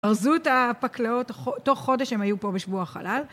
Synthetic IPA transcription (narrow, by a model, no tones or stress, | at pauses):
aʁzutapaklao̞taχoto̞χːo̞deʃhemajupo̞beʃvuaχa̰lal